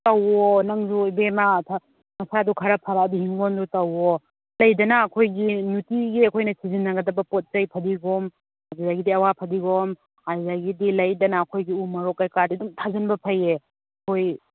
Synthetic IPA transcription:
tɐwonɐŋzuibematʰa | mɐsadukʰaɾɐpʰaɾadihiŋɡondutɐwo | lɐjdɐnɐːkʰojɡinutiɡiɐkʰojnɐsizinːɐɡɐdɐbɐpot̚t͡ʃɐjpʰɐdiɡom | aɡzaɡidiɐwapʰɐdiɡom | hazaɡidilɐjdɐnɐːkʰojɡiumɐɾokːajkadiduŋtʰazɐnbɐpʰɐje | ɐkʰoj

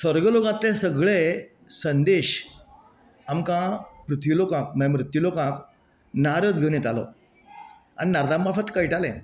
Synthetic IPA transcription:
səɾɡəlokãt̪ːẽsəɡɭe | sənd̪eɕ | amkãpɾut̪ʰʋilokãkməmɾut̪julokãk | naɾəd̪ɡʱəʋnet̪alɔ̰ | a̰ñinaɾd̪ambafət̪kaiʈalẽ

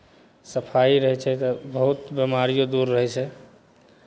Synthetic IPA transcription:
səpʰaiɾəɦɛt͡ʃʰɛt̪ɔbəɦut̪bemaɾijod̪uɾːəɦɛt͡ʃʰɛ

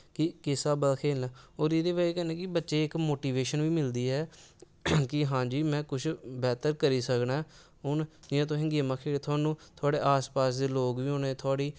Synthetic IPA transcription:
kɪkɪsaːbəlkʰeːlaːoːɾeːd̪eːbaːiːkɛɾneːkɪbətːʃeːɪkmoːʈiːʋeːʃənʋiːmɪld̪iːɦɛː | kɪɦãːd͡ʒiːmɛ̃ːkʊt͡ʃʰbɛːt̪əɾkəɾiːsəknaː | ɦʊnd͡ʒɪãːt̪̬õːɦɪ̃ŋɡimãːkʰeːɽeːt̪ʰaːnũːt̪ʰʊaːɽeːʔaːspaːsd̪eːloːɡʋiːɦõːneːt̪ʰʊaːɽiː

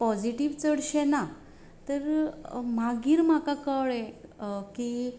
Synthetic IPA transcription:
pɔd͡ziʈiʋt͡səɽɕɛna | t̪əɾm̤aɡiːɾm̤akakəɭɛki

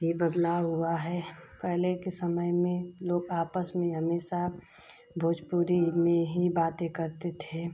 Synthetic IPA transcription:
ibəd̪laɦuaɦɛpɛɦlekesəməjmẽloːɡaːpəsmẽɦəmeːʃa | bʱoːd͡ʒpuːɾimẽɦibaːt̪ẽkəɾt̪et̪ʰe

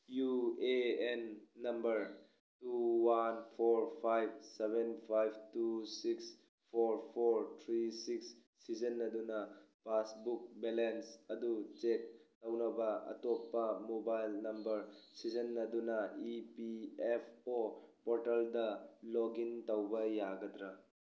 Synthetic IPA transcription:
jueenːɐmbɐɾ | tuwanpʰoɾpʰajb̚sebʱenpʰajbʱtusiks | pʰoɾpʰoɾtʰɾisiksː | izenːɐdunɐpasbuk̚belensɐdut͡ʃek̚ː | ɐwnɐbɐɐ̰topːɐmobajlnɐmbɐɾsizenːɐdunɐipiepʰopɔɾtɐldɐloɡintɐwbɐjaɡɐdɾa

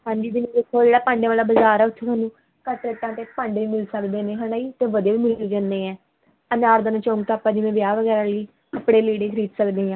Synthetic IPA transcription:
pə̃ɳɖiːd̪imẽːd̪ekʰːoːd͡ʒeːɽaːpãːɳɖeːʋaːlaːbəzaːɾɛːʊt̪ʰːoːt̪ʰaːnũː | kəʈɾəʈ̪ãːt̪eːpə̃ɳɖiːmɪlsəkd̪eːneːɦəɽaːiːt̪eːʋəd̪eːʋiːmɪlld͡ʒãnd̪eːɛ̃ː | ənaːɾd̪ənãt͡ʃõːŋɡt̪aːpːãːd̪imẽːʋɪjaːʋəɡɛːɾaːləiː | əpɽeːliːɽeːkʰɾiːt̪səkd̪eːɦãː

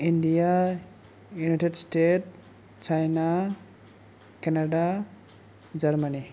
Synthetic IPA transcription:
indija | junajʈedstet̚ | t͡ʃajna | kɛnada | d͡ʒaɾmani

